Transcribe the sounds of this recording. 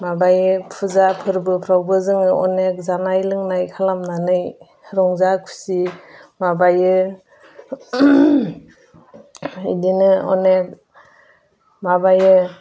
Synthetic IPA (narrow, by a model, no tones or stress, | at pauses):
mabajɯpʰɯzapʰɯɾbɯpʰɾawbɯzɯŋɯɔ̰nek̚zanajlɯŋnajkʰalamnanɯj | ɾɔŋzakʰu̥simabajɯ | ḭdinɯɔ̰nek̚ | mabajɯ